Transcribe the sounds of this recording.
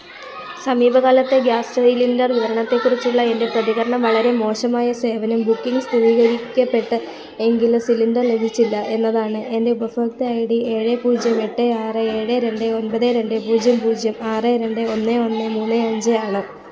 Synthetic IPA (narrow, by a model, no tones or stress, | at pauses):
sɐmiːbʱɐɣaːlɐt̪ːe̞ɡjaːstɐilindɐrʋiʋɐɾɐɳɐt̪ːe̞kːurit͡ɕːiɭːɐe̞nde̞prɐðiɣɐɾɐɳɐmʋɐɭɐɾe̞mo̞ːʂɐmaːjɐse̞ːʋɐnɐmbukːiŋɡst̪iriːɣɐɾikʲːɐpːe̞ʈːɨ | e̞ŋɡilsilindɐrle̞bʱit͡ɕːilːɐʔe̞nːɐðaːɳɨʔe̞nde̞ubɐfɐːk̚t̪ɨɐjiɽieːɻepuːd͡ʑjɐmeʈːeaːrɨeːɻeɾe̞ɳɖeo̞npɐðeɾe̞ɳɖɨpuːd͡ʑjɐmpuːd͡ʑjɐmaːrɨɾe̞ɳɖɨo̞nːeo̞nːemuːnːɨɐɲd͡ʑɨjaːɳɨ